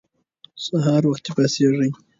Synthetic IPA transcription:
saɦɑːɾwaxt̪epaseʐəj

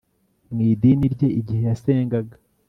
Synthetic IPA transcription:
mŋiːdiniɾɟe̞ʔiɟihe̞jase̞ːŋɡaɡḁ

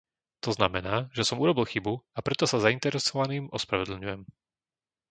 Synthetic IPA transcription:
t̪ɔznamɛnaːʒɛsɔmuɾɔbilˠxibuapɾɛt̪ɔsazaint̪ɛɾɛsɔʋaniːmɔspɾaʋɛd̪l̩ɲujɛm

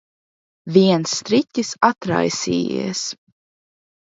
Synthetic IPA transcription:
vʲiɛnsːt̪ɾitʲisat̪ɾa̰jsḭːḭːɛs

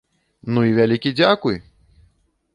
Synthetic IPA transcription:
nuivʲalʲikʲid͡zʲakuj

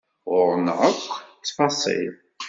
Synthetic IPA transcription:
ʁʊɾnʕəkʷːt͡sːfɑsˤḭð

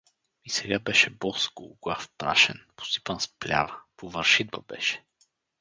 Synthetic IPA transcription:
isɛɡabɛʃɛbɔskoɡlˠafpɾa̰ʃɛnpo̥st̪i̥pənsplʲa̰vəpovəɾʃid̪vəbɛ̰ʃɛ̥

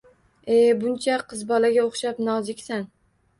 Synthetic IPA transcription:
ebʊnt͡ʃʰaqʰɨzbɒlaɡʲaoχʃapnɒzɪkʲsan

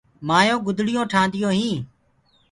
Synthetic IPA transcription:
maːjõːɡʊd̪ʱɽɪjõːʈʰãːnd̪ɪjõːɦĩː

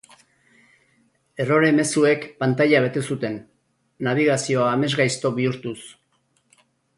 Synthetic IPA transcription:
e̞ro̞ɾe̞me̞sue̞kpant̪aʎaβ̞e̞t̪e̞sut̪e̞nː | aβ̞iɣ̞asio̞aːme̞zɣajst̪o̞βiuɾt̪us

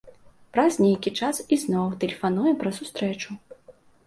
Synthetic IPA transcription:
pɾɐzʲnʲejkʲit͡ʂasiznɔwt̪ɛlʲɛfanujɛpɾɐsust̪ɾɛt͡ʂu

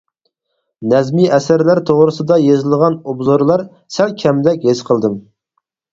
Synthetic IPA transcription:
nɛzmiɛsæɾlæɾt̪ʰoʁɾɨsɨd̪ɑjezɨlˠʁɑnubzoɾlˠɑɾ | sælkʲʰɛmd̪ɛkʲɦezqʰəlˠd̪ɨm

